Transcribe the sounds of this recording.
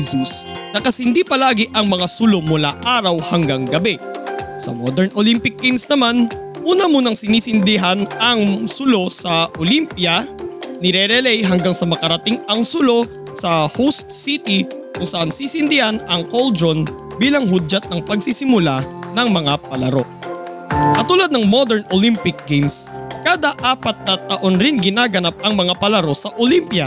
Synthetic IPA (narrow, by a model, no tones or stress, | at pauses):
usnɐkɐshɪnd̪iːpɐlaːɡɪʔɐŋmɐŋasʊlo̞mʊlaʔaːɾɐwhɐŋɡaŋɡɐbɛ | sɐ̰mod̪ɛɹnʔolimpɪk̚ːɪnsnɐman | ʔuːnɐmunɐŋsɪniːsɪnd̪ɪɦanɐŋsʊlo̞sɐʔolimpjɐnɪɾɛɾɛlɛjɦɐŋɡaŋsɐmɐkɐɾɐt̪iŋɐŋsʊlo̞ | sɐhowst̪̚sit̪ɪ | kʊŋsɐʔansisɪnd̪ɪhanɐŋkold̪ɾon | biːlɐŋɦʊd͡ʒɐt̪̚nɐŋpɐɡ̚sisɪmʊlanɐŋmɐŋapɐlɐɾo̞ | kɐt̪uːlad̪nɐŋmod̪ɛɹnʔolimpɪk̚ɡejmskaːd̪aʔaːpɐt̪̚nɐt̪ɐʔonɾɪnɡɪnaːɡɐnap̚ɐŋmɐŋapɐlɐɾo̞sɐʔolimpjɐ